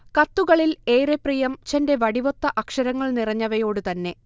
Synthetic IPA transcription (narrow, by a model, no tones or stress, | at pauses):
kɐt̪ːuɣɐɭile̞ːɾeprijɐmt͡ɕɐnde̞ʋɐɽiʋo̞t̪ːɐʔɐkʂɐɾɐŋːɐɭnirɐɲːɐʋɐjo̞ːɽɨt̪ɐnːe̞